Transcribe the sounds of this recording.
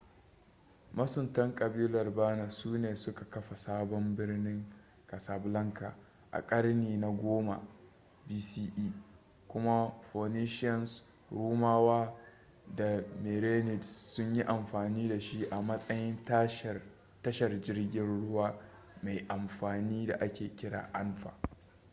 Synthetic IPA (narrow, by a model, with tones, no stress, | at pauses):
mɐ˦sʊ˨ntɐ˦ŋkʼɐ˨biː˦lɐ˨rbaː˦na˨suː˦neː˨sʊ˦ka˨kɐ˦ɸa˨saː˦bɔ˦mbɪ˦rnɪ˦ŋ | kɐ˨sa˨blɐ˦ŋka̰˨ | ʔa̰˨kʼɐ˦ɽniː˨na˨ɡʷoː˦ma̰˨ | biː˦siː˦ʔiː˦ | kʷʊ˦ma˦ɸo˨ni˦ʃɪ˦ɔ˨ns | ɽuː˦maː˦waː˦ | da˨me˨ɾeː˦nɪ˨dsʊ˦ɲji˦ʔa˨mɸaː˨niː˦da˨ʃi˦ʔa˨mɐ˦sʼɐ˦jɪ˦nta˦ʃ | tɐ˦ʃɐ˨rd͡ʒɪ˦rɡʲɪ˦nɽʊ˦waː˨ | ma˨jʔa˨mɸaː˨niː˦da̰˨ʔa˦kʲeː˨kʲɪ˦ɽa̰ː˨ʔa˦nɸa̰ː˨ʔ